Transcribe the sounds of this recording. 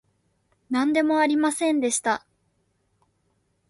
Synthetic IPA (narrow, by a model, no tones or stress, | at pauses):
nãnd̪e̞mo̞aɾʲimasẽ̞nd̪e̞ɕi̥t̪a